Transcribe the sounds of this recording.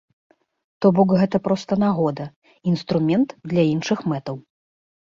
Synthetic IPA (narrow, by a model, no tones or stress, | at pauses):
t̪ɔbɔkɣɛt̪ɐpɾɔst̪ɐnaɣɔd̪ɐ | inst̪ɾumʲɛnt̪d̪lʲɐinʂɨxmɛt̪ɐw